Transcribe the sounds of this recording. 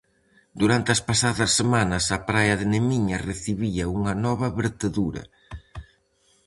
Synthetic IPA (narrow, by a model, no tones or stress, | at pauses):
d̪uɾant̪ɪɐspasaðɐsːemanɐsɐpɾajɐðenemiɲɐreθiβiɐuŋɐnɔβɐβeɾt̪eðuɾɐ̰